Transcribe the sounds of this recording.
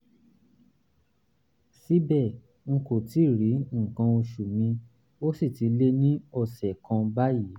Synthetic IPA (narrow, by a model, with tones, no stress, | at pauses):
si˦bɛ˦˨ | ŋ̩˧ko˨ti˦˨ɾi˨˦ŋ̩˨kã˧o˧ʃu˨mĩ˧ | o˦si˦˨ti˧le˦nĩ˦ɔ˦˨sɛ˨kã˧ba˦ji˨˦